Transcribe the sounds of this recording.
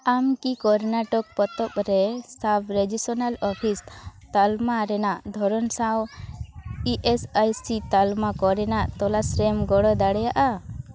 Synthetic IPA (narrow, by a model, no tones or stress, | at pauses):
amkikɔɾnaʈɔk̚pɔt̪ɔp̚ɾɛsapʰɾed͡ʒisɔnalɔpʰist̪almaɾɛnaʔd̪ʱɔɾɔnsaw | iʔesajsit̪almakɔɾɛnaʔt̪ɔlasɾɛmɡɔɽɔd̪aɽɛjaʔa